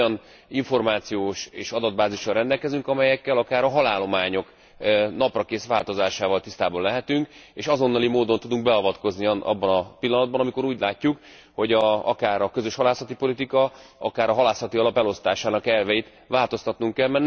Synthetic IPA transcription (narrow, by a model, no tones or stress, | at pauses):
ɒn | iɱfo̞rmaːt̪sijoːʃeːʃɒd̪ɒd̪̚baːziʃɒrɛnd̪ɛlkɛzyŋkɒmɛjɛkːɛlɒkaːɾɒɦɒlaːlːo̞maːɲo̞k | nɒprɒkeːsʋaːlt̪o̞zaːʃaːvɒlt̪ist̪aːbolːɛɦɛt̪yŋkeːʃɒzo̞nːɒlimoːd̪o̞nt̪ud̪uŋɡ̚bɛɒvɒt̪ko̞zniɒ̰bːɒnɒpilːɒnɒd̪bɒnɒmiko̞ɾuːɟlaːcːuk | ho̞ɟɒɒkaːɾɒkøzøʃhɒlaːsɒt̪ipo̞lit̪ikɒɒkaːɾɒɦɒlaːsɒt̪iɒlɒpɛlo̞st̪aːʃaːnɒkɛlvɛjit̪ | ʋaːlt̪o̞st̪ɒt̪nuŋkːɛlmɛnː